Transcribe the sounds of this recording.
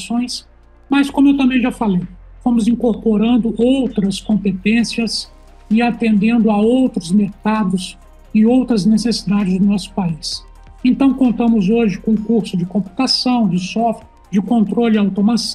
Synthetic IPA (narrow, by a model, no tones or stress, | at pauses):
sõj̃s | mɐskõmʊewt̪ɐ̃bẽj̃ʒafalejfõmʊzĩŋkoɾpoɾɐ̃nd̪ʊʔowt̪ɾɐskõmpet̪ẽsiɐs | ɪat̪ẽnd̪ẽnd̪ʊaowt̪ɾʊzmeɾkad̪ʊs | ɪowt̪ɾɐznesesi̥d̪ad͡ʒɪzd̪ʊnɔsʊ̥pais | ẽnt̪ɐ̃w̃kõnt̪ɐ̃mʊzoʒɪkõũkuɾsʊd͡ʒɪkõmpu̥t̪asɐ̃w̃d͡ʒɪsɔft͡ʃɪ | d͡ʒɪkõnt̪ɾolɪawt̪omas